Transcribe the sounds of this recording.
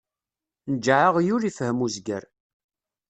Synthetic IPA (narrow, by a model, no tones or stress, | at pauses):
nəd͡ʒːʕəʁjuɾifəhəmuzɡə̰ɾ